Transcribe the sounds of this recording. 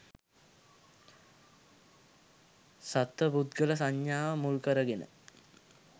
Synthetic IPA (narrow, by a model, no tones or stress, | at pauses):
sat̪ʋəbud̪ɡələs̬aɲjaːʋəmulkəɾəɡenə̰